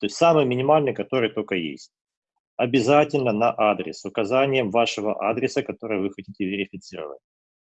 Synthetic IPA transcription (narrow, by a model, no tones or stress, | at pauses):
t̪o̞ɪsʲt̪ʲsamɨjmʲɪnʲɪmalʲnɨjkɐt̪o̞ɾɨjt̪o̞kəjḛsʲtʲ | ɐbʲɪzatʲɪlʲnənɐʔad̪ɾʲɪ̰sʊkɐzanʲɪjəmvaʂɨvə̰ʔad̪ɾʲɪsəkɐt̪o̞ɾɨjvɨxɐtʲitʲɪvʲɪɾʲɪfʲɪt̪sɨɾə̰və̰tʲ